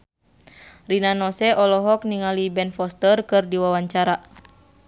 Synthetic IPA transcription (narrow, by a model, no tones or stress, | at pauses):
rinanɔsɛʔɔlɔɦɔk̚niŋalibɛnfɔst̪ərkɨrdiwawaɲt͡ʃaɾa